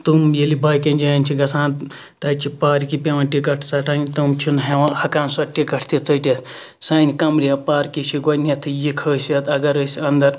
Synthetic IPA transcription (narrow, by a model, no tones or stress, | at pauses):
t̪umjelibʱaːjkɐnʲd͡ʒɐjɐnʲt͡ʃʰiɡɐsʰãːnt̪ | t̪ɐːt͡ʃʰipaːɾkipʲeʋãːnʈikɐʈʰt͡saːʈʰaːnʲt̪umt͡ʃʰunɦeʋãhɐkaːnsɐɾʈikɐʈʰt̪ʲit͡sɐʈʲet̪ | sɐːnikɐmɾiapaːɾkit͡ʃʰiɡɐnʲet̪ʰɨjikʰəːsʲɐt̪ɐɡɐɾəːsʲɐnd̪ɐɾ